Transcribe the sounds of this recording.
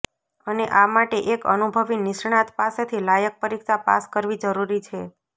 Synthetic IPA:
əneʔamaʈeʔekə̰nubʱəʋinɪʃɳ̃at̪paset̪ʰilajək̚pəɾikʃapa̰skəɾʋid͡ʒəɾuɾit͡ʃʰe

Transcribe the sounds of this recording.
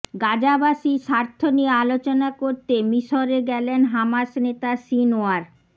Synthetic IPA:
ɡad͡ʑabaʃiʃaɾt̪ʰːoniealot͡ɕonakoɾt̪emiʃoɾeɡɛlenɦamaʃnet̪asinoaɾ

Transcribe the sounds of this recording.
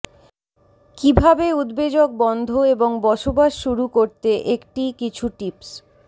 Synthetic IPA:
kibʱabeud̪bed͡ʑok̚bɔnd̪ʱoeboŋbɔʃobaʃːuɾukoɾt̪eʔekʈikit͡ɕʰuʈips

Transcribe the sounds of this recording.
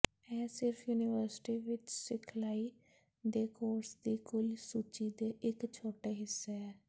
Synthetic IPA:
ɛːsɪɾpʰjuːnɪʋəɾsɪ̥ʈiːʋɪt͡ʃsɪkʰlaːiː | d̪eːkoːɾsd̪iːkʊlsuːt͡ʃiːd̪eːʔɪkt͡ʃʰoːʈeːɦɪsːeɛː

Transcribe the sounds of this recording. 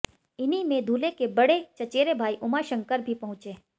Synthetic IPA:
ɪnimẽd̪ʱuːlekebɐɽet͡ʃɐt͡ʃeːɾebʱaːiʔʊmaʃɐ̃ŋkəɾbʱipɐɦʊ̃t͡ʃeː

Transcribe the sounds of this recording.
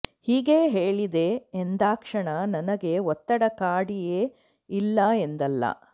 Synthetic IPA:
hiːɡe̞ːɦeːɭid̪eend̪aːkʂɐɳɐnɐnɐɡe̞ɔt̪ːɐɽɐkaːɽijeː | ilːɐend̪ɐlːɐ̰

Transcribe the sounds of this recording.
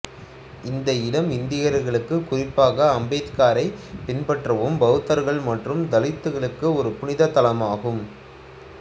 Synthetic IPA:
ɪnd̪ɐɪlɐmɪnd̪ɪjɐɾɣɐɭɯkːɯkːʊrɪpːaːɣɐːmbɐɪtkaːɾɐɪpɪnpɐʈrɐʋɯmbɐɣɯt̪ːɐɾɣɐɭmɐʈrɯmd̪ɐlɪt̪ːɯɣɐɭɯkːɯɔɾɯpʊnɪðɐt̪ːɐlɐmaːɣɯm

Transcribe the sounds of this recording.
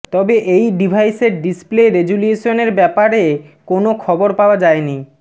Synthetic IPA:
t̪ɔbeʔejɖibʱajseɾɖispleɾed͡ʑulieʃoneɾbɛpaɾekonokʰɔboɾpaoad͡ʑaeni

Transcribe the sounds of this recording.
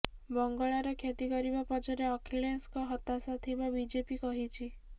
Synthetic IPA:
bɔŋɡɔɭaɾɔkʰjet̪ikɔɾibapɔd͡ʒɔɾeɔkʰiɭenskɔɦɔt̪asɔt̪ʰibabid͡ʒepikɔɦit͡ʃʰi

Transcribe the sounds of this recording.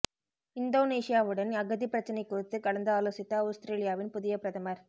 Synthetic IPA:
ɪnd̪oːneːʂɪjaːʋɯɽɐnɐɣɐðipɪɾɐt͡ʃːɐnɐɪkːʊrɪt̪ːɯkɐɭɐnd̪ɯaːloːsɪt̪ːɐʊst̪ɾeːlɪjaːʋɪnpʊðɪjɐpɪɾɐðɐmɐɾ

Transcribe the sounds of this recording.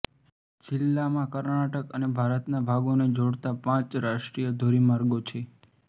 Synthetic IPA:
d͡ʒɪlːamãkəɾnaʈəkənebʱaɾət̪nabʱaɡoned͡ʒoɽt̪apãt͡ʃɾaʃʈɾijəd̪ʱoɾimaɾɡot͡ʃʰe

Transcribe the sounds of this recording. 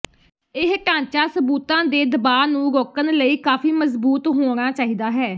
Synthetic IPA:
ɪɦʈãːt͡ʃaːsəbuːt̪ãːd̪eːd̪əbaːnũːɡɔːkənləiːkaːfiːməzbuːt̪ɦoːɽ̃aːt͡ʃaːɦiːd̪aːɦɛː

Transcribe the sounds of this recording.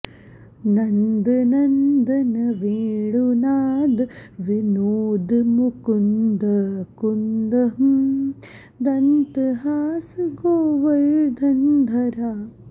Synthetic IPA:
nɐnd̪ɨnɐnd̪ɐnɐʋeːɽunaːd̪ɨʋinoːd̪mukund̪ɐkund̪ɐɦ | d̪ɐnt̪ɨɦaːsɨɡoːʋɐlɭd̪ʱɐnd̪ʱɐɾaː

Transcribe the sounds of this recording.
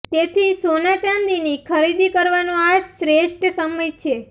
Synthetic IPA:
t̪et̪ʰisonat͡ʃãnd̪inikʰəɾid̪ikəɾʋanõasɾeʃʈsəməjt͡ʃʰe

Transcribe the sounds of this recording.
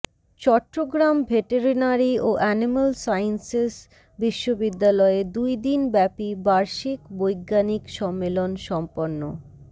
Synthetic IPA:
t͡ɕɔʈɾoɡɾambʱeʈeɾinaɾioʔɛnimalsajnses | biʃːobid̪ːalɔed̪ujd̪inbɛpibaɾʃikbojɡːanikʃɔmːelonʃɔmpoɾnːo

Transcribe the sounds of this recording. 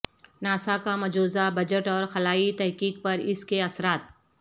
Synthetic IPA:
naːsakamɐd͡ʒoːzabɐd͡ʒəʈɔːɾxɐlaːit̪ɛɦkiːk̚pɐɾɪskeɐsɾaːt̪̚

